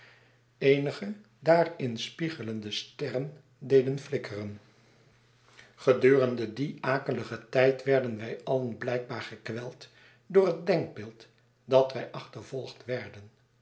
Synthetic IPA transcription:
ejnəχə | daːrɪnspiχələndəstɛrən | dejdənflɪkʰərən | χədyːrəndədiʔaːkələχətɛjtʋɛɹdənʋɛjɑlənblɛjɡ̚baːɹχəkʋɛlˠt | dʊːɹɦət̚dɛŋɡ̚bɪːlˠt | dɑtʋɛjʔɑχtəɹvɔlˠχtʋɛɹdən

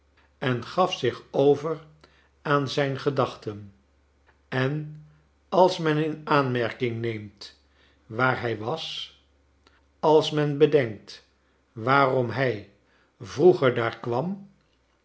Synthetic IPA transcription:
ɛnχɑfsɪχowvər | aːnzɛjnχədɑχtən | ɛn | ɑlˠsmɛnɪnaːnmɛɹkɪŋnejmt | ʋaːɹɦɛjʋɑs | ɑlˠsmɛnbədɛŋk̚t | ʋaːrɔmɦɛj | vruχəɹdaːɹkʋɑm

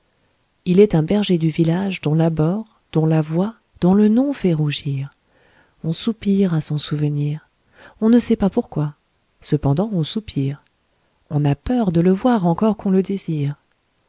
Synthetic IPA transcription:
ilɛt̪ɛ̃bɛʁʒed̪yvilaʒd̪ɔ̃labɔʁ | d̪̥ɔ̃lavwa | d̪̥ɔ̃lənɔ̃fɛʁuʒiʁ | ɔ̃supiʁasɔ̃suvəniːʁ | ɔ̃nəsɛpapuʁkwa | səpɑ̃d̪ɑ̃ɔ̃supʰiʁ | ɔ̃napœʁd̪ələvwaʁɑ̃kɔʁkɔ̃ləd̪eziːʁ

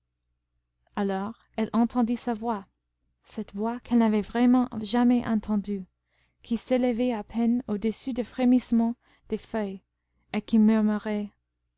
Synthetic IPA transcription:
alɔʁ | ɛlʔɑ̃t̪ʰɑ̃d̪isavwa | sɛt̪vwakʰɛlnavɛvʁɛmɑ̃ʒamɛʔɑ̃t̪ʰɑ̃d̪y | kʰiseləvɛapʰɛnod̪əsyd̪əfχemismɑ̃ | d̪̥efœj | ekimyʁmyʁɛ

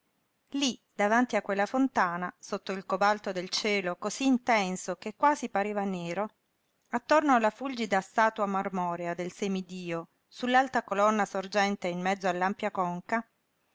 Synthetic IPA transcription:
lid̪̥avant̪iakːwelːafont̪aːnasot̪ːoilkobalt̪od̪elt͡ʃɛːlokoziːnt̪ɛnsokekːwaːzipaɾeːvaneːɾo | at̪ːornoalːafuld͡ʒid̪ast̪aːt̪wamarmɔːɾead̪elsemid̪iːo | sulːalt̪akolɔnːasord͡ʒɛnt̪einmɛd̪zːoalːampjakɔŋka

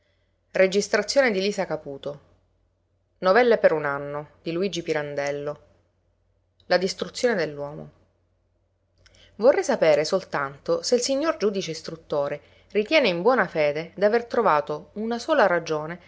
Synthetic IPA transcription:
red͡ʒist̪ɾat̪sːjoːned̪iliːsakapuːt̪o | novɛlːepeɾunanːod̪̥iluiːd͡ʒipiɾand̪ɛlːo | lad̪ist̪ɾut̪sːjoːned̪elːwɔːmo̰ | vorːɛjsapeːɾesolt̪ant̪oselsiɲːord͡ʒuːd̪it͡ʃest̪ɾut̪ːoːɾe | rit̪jɛːneimbwɔːnafeːd̪ed̪iavert̪ɾovaːt̪ounasoːlaɾad͡ʒoːne

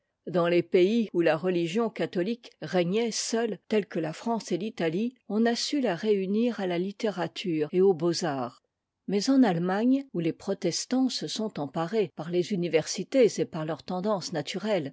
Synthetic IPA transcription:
d̪ɑ̃lepeiulaʁəliʒjɔ̃kat̪ɔlikʁɛɲɛsœlt̪ɛlkəlafχɑ̃selit̪aliɔ̃nasylaʁeyniʁalalit̪eʁat̪ʰyːʁeobozaːʁ | mɛzɑ̃nalmaɲulepχɔt̪ɛst̪ɑ̃səsɔ̃t̪ɑ̃paʁepaʁlezynivɛʁsit̪ezepaʁlœʁt̪ɑ̃d̪ɑ̃snat̪yʁɛl

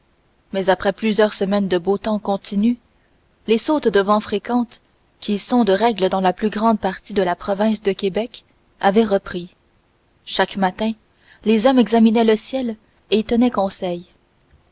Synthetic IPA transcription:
mɛzapχɛplyzjœʁsəmɛnd̪əbot̪ɑ̃kɔ̃t̪iny | lesot̪d̪əvɑ̃fχekɑ̃t̪ | kʲisɔ̃d̪əʁɛɡləd̪ɑ̃laplyɡʁɑ̃d̪̚paʁt̪id̪əlapχɔvɛ̃sd̪əkʲebɛk | avɛʁəpχi | ʃakmat̪ɛ̃ | lezɔmɛɡzaminɛləsjɛl | et̪ənɛkɔ̃sɛj

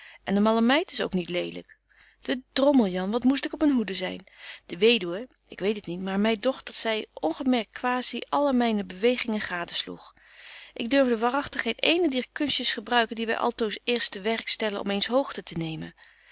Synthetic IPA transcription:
ʔɛndəmɑləmɛjtɪ̥so̰wknitlejdlə̰k | d̥ədrɔməlˠjɑnʋɑtmus̬tɪkɔpənɦudəzɛ̰jnd̥əʋejdywə | ʔɪkʋejtətnitmaːɹmɛjdɔχt̚dɑtsɛjɔnχəmɛɹkkʋaːziʔɑləmɛjnəbəʋejχɪŋəχaːdəslṵχ | ʔɪɡ̚døɹvdəʋaːrɑχtəχɦejtejnədiːɹkɵnstjəsχəbrœɥkəndiʋɛ̰jʔɑ̰lˠtowsɪːɹstəʋɛrkstɛlənɔ̰mejnsɦowχtətənejmə̰n

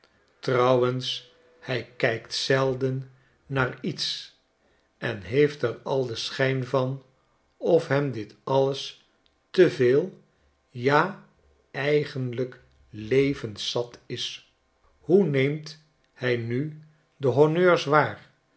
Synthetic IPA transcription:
trɑwəns | hɛjkɛjktsɛlˠdənː | aːrits | ʔɛnɦejftɛrɑlˠdəsχɛjnvɑn | ɔfɦɛmdɪtɑləs | təveːlˠ | jaː | ɛjχənlək | lejvənsɑtɪs | hunejmt | hɛjny | dəɦonøːɹsʋaːr

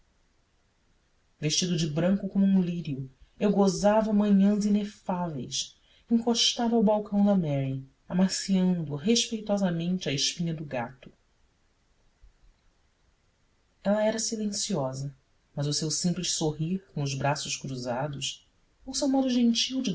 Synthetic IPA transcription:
veʃt͡ʃid̪ʊd͡ʒɪbɾɐ̃ŋkʊkõmʊũliɾiʊewɡozavɐmɐ̃ɲɐ̃zinefavḛjs | ẽŋkoʃt̪avɐawbawkɐ̃w̃d̪ɐmɛɾi | amasiɐ̃nd̪ʊɦeʃpejt̪ɔzɐmẽnt͡ʃɪɐɪʃpĩɲɐd̪ʊɡa̰t̪ʊ̥ | ɛlɐɛɾɐsilẽsiɔzɐ | mɐzʊsewsĩmpliʃsoɦiɾkõʊzbɾasʊʃkɾuzad̪ʊs | owsewmɔd̪ʊʒẽnt͡ʃiwd͡ʒɪ

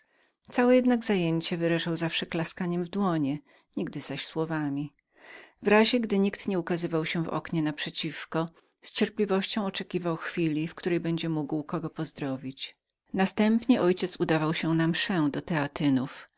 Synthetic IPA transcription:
t̪sawɛjɛd̪naɡzajeɲt͡ɕɛvɘɾaʐawzafʂɛklaskaɲɛmvd̪wɔɲɛ | ɲiɡ̚d̪ɘzaɕswɔvamʲi | vɾaʑɛɡd̪ɘɲikt̪ɲɛukazɘvawɕɛvɔ̰kɲɛnapʂɛt͡ɕifkɔ | st͡ɕɛɾplʲivɔɕt͡ɕɔ̃w̃ɔt͡ʂɛkʲivawxfʲilʲifkt̪uɾɛjbɛɲd͡ʑɛmuɡwkɔɡɔpɔzd̪ɾɔvʲit͡ɕ | nast̪ɛmpɲɛʔɔjt͡ɕɛt̪sud̪avawɕɛnamʂɛd̪ɔt̪ɛat̪ɘnuf

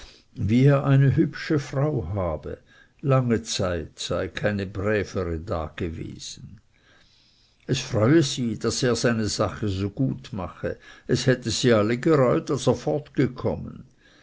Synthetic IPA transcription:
viːeːɐʔaɪnəɦʏpʃəfʁaʊɦaːbə̰ | laŋət͡saɪtz̥aɪkʰaɪnəbʁɛːfəʁəda̰ːɡ̥əvḛːz̥n̩ | ɛsfʁɔʏəziːd̥aseːɐzaɪnəzaχəzoːɡ̥uːtma̰χəʔɛshɛtəz̥iːaləɡəʁɔʏtalseːɐfɔɐtɡ̥əkʰɔmən

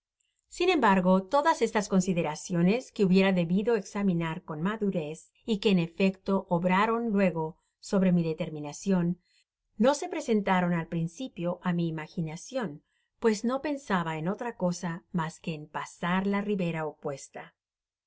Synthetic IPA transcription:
sinẽ̞mbaɾɣo̞t̪o̞ðase̞st̪asko̞nsiðe̞ɾasjo̞ne̞ske̞uβje̞ɾaðe̞βiðo̞eksamĩnaɾko̞nmaðuɾe̞s | ike̞ːne̞fe̞kt̪o̞ʔoβɾaɾo̞nlwe̞ɣo̞ | so̞βɾe̞miðe̞t̪e̞ɾmĩnasjo̞nː | o̞se̞pɾe̞se̞nt̪aɾo̞nalpɾinsipjo̞ʔamiːmaxinasjo̞n | pwe̞zno̞pe̞nsaβaeno̞t̪ɾako̞samaske̞ːmpasaɾlariβe̞ɾaopwe̞st̪a

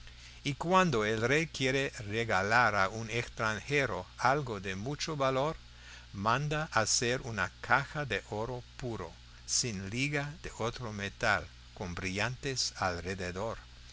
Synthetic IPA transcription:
ikwand̪oelrejkjeɾereɣalaɾaunekst̪ɾaŋxeɾoalɡoðemut͡ʃoβaloɾ | mãnd̪aʔːseɾunakʰaxaðeʔoɾopuɾo̰ | sinliɣaðeʔot̪ɾomet̪a̰l | kombɾiʎant̪esalreðeðoɾ

